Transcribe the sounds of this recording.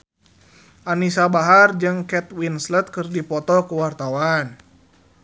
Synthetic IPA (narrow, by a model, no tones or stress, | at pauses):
ʔanisabaɦard͡ʒɨŋkɛt̪winslət̪̚kɨrdipɔt̪ɔkəwart̪awan